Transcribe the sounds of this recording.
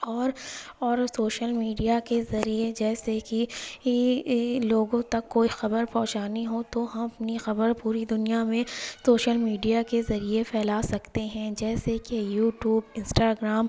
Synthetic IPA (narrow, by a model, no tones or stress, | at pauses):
ɔːɾɔːɾsoːʃəlmiːɖijakezɐɾied͡ʒɛːseki | loːɡõt̪ɐkːoːixɐbəɾpɔ̃ɦt͡ʃaːniɦot̪oɦɐmɐpnixɐbəɾpuːɾid̪ʊnijamẽsoːʃəlmiːɖijakezɐɾiepʰɛːlasɐkt̪eɦɛ̃d͡ʒɛːsekejuːʈjuːbɪ̃nsʈaɡɾaːm